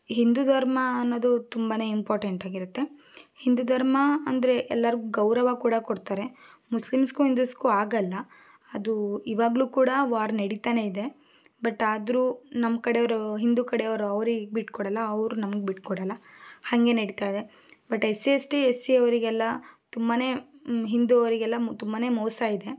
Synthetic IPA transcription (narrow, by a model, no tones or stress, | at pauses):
ɦind̪ud̪ʱɐɾmɐːnːoːd̪ut̪umbaːne̞ːimpaːɾʈeɳʈaːɡiɾut̪ːe̞ | hind̪ud̪ʱɐɾmɐɐnd̪ɐɾe̞ʔɛlːɐɾiɡuɡɐwɾɐʋakuːɽɐkoɽt̪aːɾe̞muslimskuɦind̪uskuaːɡɐlːɐ | ɐd̪uiʋaːɡɐɭuːkuːɽɐʋaːɾnɐɽit̪aːne̞id̪e̞ | bɐʈːaːd̪ɾuːnɐmːkɐɽeʋɾuɦind̪ukɐɽejɐʋɐɾuɐʋɾiɡebiʈkɔɽɐlːɐɐʋɾunɐmɐɡebiʈkɔɽɐlːɐhɐŋɡe̞nɐɽit̪aːjd̪e̞ | bɐʈesiesʈiesiɐʋɐɾiɡɛlːɐt̪umbane̞ː | ɦind̪uɐʋɾiɡɛlːɐt̪umbane̞ːmoːsaid̪e̞